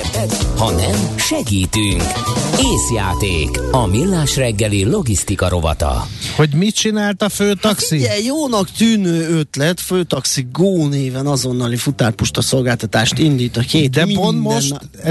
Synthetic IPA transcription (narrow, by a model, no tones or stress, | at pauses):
hɒnɛmʃɛɡiːt̪yŋkeːsja̰ːt̪eːkɒmilːaːʃrɛɡːɛlilo̞ɡist̪ikɒɾo̞vɒ̰t̪ɒ̰ho̞ɟmit̚t͡ʃinaːlt̪ɒføːt̪ɒkssiɛjoːnɒkt̪yːnøːøt̪lɛt̪føːt̪ɒksiɡ̚ɡoːneːvɛnɒzo̞nːɒlifut̪aːrpuʃt̪ɒso̞lɡaːlt̪ɒt̪aːʃt̪ind̪iːt̪ɒkeːtd̪ɛpont̪mʃnt̪